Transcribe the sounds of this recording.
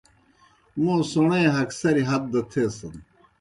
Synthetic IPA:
mõːsoɳeːɦɐksɐɾiɦɐb̚d̪ɐt̪ʰeːsɐn

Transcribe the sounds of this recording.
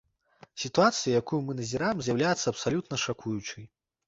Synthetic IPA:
sʲit̪uat̪sɨjɐjakujumɨnɐzʲiɾajmzʲjawlʲajɛt̪sːɐːpsalʲut̪nɐʂakujut͡ʂɨj

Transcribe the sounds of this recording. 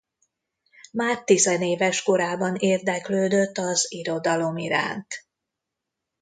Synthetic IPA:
maːrt̪izɛneːvɛʃko̞ɾaːbɒneːrd̪ɛkløːd̪øt̪ːɒziɾo̞d̪ɒlo̞miɾa̰ːnt̪

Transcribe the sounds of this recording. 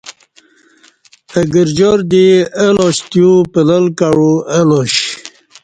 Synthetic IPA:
əɡəɾd͡ʑoɾd̪iəloɕt̪jupələlkaɻuəloɕ

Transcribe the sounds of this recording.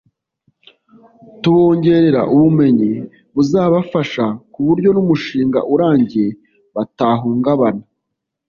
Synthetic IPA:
tuβo̞ːɲɟe̞ɾeɾa̰ʔuβume̞ɲi | βuzaːβafaʃakuβuɾɟo̞numuʃiːŋɡa̰ʔuɾaːɲɟe | βataːɦuːŋɡaβana

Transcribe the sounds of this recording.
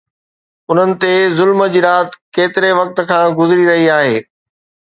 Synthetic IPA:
ʊn̤ənɪ̆t̪ezʊlməd͡ʑiːɾaːt̪keːt̪ɪɾeʋɐk̚t̪̆kʰãːɡʊzɪɾiɾɐɦiaːɦeː

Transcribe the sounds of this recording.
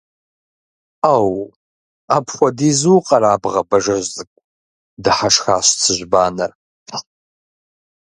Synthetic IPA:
aw | aːpʰxʷɔdiːzuːqʼɐɾaːbʁɐbɐʒɐʑzɨkʷʼ | dɨħaʂxaːɕt͡sʰɨʒʷbaːnɐr

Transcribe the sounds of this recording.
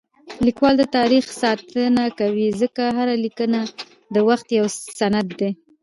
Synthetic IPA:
likwɑld̪ət̪ɑɾixsɑt̪ənakawizəkaɦaɾalikəna | d̪əwaxt̪jawsanad̪ːe

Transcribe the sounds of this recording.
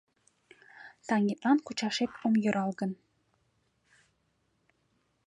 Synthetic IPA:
t̪ɑŋit̪lɑnkut͡ɕɑʃepomjŭɾʔɑlˠɡɤ̆n

